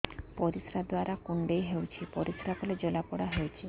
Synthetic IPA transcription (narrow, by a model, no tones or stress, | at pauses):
pɔɾisɾad̪oaɾakuɳɖejɦewt͡ɕʰipɔɾisɾakoled͡ʑɔlapɔɽaɦewt͡ɕʰi